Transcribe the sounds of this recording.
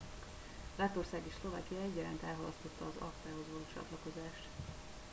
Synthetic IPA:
lat̪o̞rsaːɡeʃslo̞va̰ːkijɒɛɟːɒla̰ːnt̪ɛːlɦɒlɒst̪o̞t̪ːɒːzɒ̰kt̪aːɦo̞zvɒloːt͡ʃɒ̰t̪lɒko̞zaːʃt̪

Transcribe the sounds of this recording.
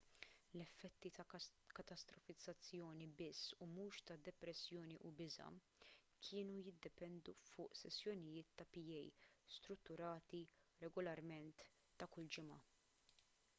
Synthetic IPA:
lɛfːɛt̪ːit̪ɐkɐt̪ɐst̪ɾɔfɪd͡zːɐt͡sːjɔːnibɪsːumuːʃt̪ɐd̪ɛpɾɛsːjɔːniʔubɪzɐ̰ | kʰɪːnujɪd̪ːɛpɛnd̪ufʊːʔsɛsːjɔnɪjɪːt̪ːɐpijɛjst̪ɾʊt̪ːʊɾɐːt̪i | ɾɛɡɔlɐɾmɛnt̪ː | ɐkʊld͡ʒɪmɐ

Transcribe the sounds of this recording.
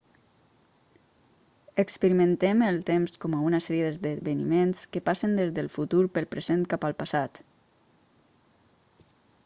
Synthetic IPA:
əkspəɾimə̃nt̪eməlˠt̪emskɔməunəsɛɾjəd̪əzðəβənimenskəpasənd̪ezðəlˠfut̪uɾpəlˠpɾəzent̪̚kapəlˠpəsat̪

